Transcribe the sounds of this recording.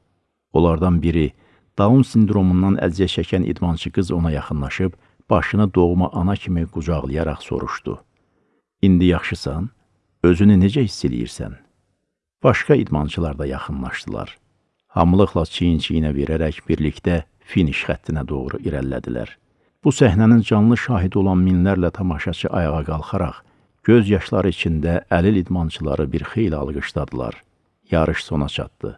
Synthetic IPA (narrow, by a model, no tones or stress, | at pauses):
o̞lˠɑɾd̪ɑnbiɾi | d̪̥ɑunsind̪ɾo̞munːɑnæ̰zijæt͡ʃʰæcʰænʔḭd̪mɑnt͡ʃʰɯɡɯzo̞nɑjɑχɯnlˠɑʃɯb | b̥ɑʃɯnɯd̪o̞ʁmɑʔɑnɑcʰimiɡ̥ud͡ʒɑʁlˠɯjɑɾɑχso̞̰ɾṵʃd̪̥ṵ | ind̪ijɑχʃɯsɑn | ø̞zynyned͡ʒæhisːelḭjḭɾsæ̰n | b̥ɑʃkɑḭd̪mɑnt͡ʃʰɯlˠɑɾd̪ɑjɑχɯnlˠɑʃd̪̥ɯlˠɑ̰ɾ | hɑ̰mlˠɯχlˠɑt͡ʃʰijint͡ʃʰijinæve̞ɾæɾæçb̥iɾlict̪æ | finiʃxæt̪ʰːinæd̪o̞ʁɾuʔiɾæ̰lːæ̰d̪ḭlæ̰ɾ | b̥usæhnænind͡ʒɑnlˠɯʃɑːɦid̪o̞lˠɑnminlæɾlæt̪ʰɑmɑʃɑt͡ʃʰɯʔɑjɑʁɑɡɑlˠχɑɾɑ̰χ | ɟ̥øzjɑʃlˠɑɾɯit͡ʃʰind̪æʔælilid̪mɑnt͡ʃʰɯlˠɑ̰ɾɯbiɾxe̞jliɑ̰lˠɡɯʃd̪ɑd̪ɯlˠɑ̰ɾ | jɑɾʔɯʃso̞nɑt͡ʃʰɑ̰t̪d̪ɯ̰